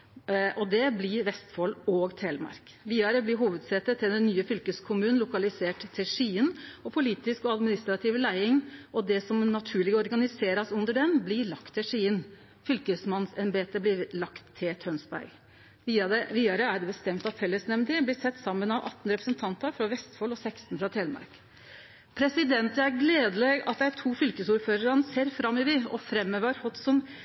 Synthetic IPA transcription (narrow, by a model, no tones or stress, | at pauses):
ʔɔd̪ɛblɪɾʋɛst̪foloːɡt̪ʰeːlmɑ̰ɾk | ʋiːd̪ɑɾəblɪɦuːʋəd̪sɛt̪ːət̪ʰːɪld̪ɛnːyːəfʏlkəskʰʊmʉːnn̩lʊkɑlɪseːʈt̪ʰːɪlʂiːənɔpʰʊliːt̪ɪskɔɑd̪mɪnɪst̪ɾɑt̪ʰɪʋlæɪɪŋʔɔd̪ɛsɔmnɑt̪ʰʉːɭɪɡəɔɾɡɑnɪseːɾɑsʉnd̪əɖɛnblɪɾɭɑkt̪ʰːɪlʂiːən | fʏlkəsmɑnsɛnbeːt̪əblɪlɑkt̪ʰːɪlt̪ʰœnsbæ̰ɾɡ | ʋiːd̪ɑɾəæɖɛbəst̪ɛmt̪ɑt̪fɛlːəsnɛmd̪ɪblɪsɛt̪ːsɑmːənɑʋʔɑ̰t̪ːn̩ɾɛpɾə̥sənt̪ʰɑnt̪əɾfɾɑʋɛst̪fɔlːɔsɛkst̪n̩fɾɑt̪ʰɛːlmɑ̰ɾk | pʰɾɛsɪd̪ɛnt̪əæɾɡleːd̪əleːɡɑ̰t̪̚d̪æt̪ʰuːfʏlkəsuːɾføːɾəɾɑnəseːɾfɾɑmːəʋɪɔ̰fɾɛmːøʋəɾhɔt̪sɔm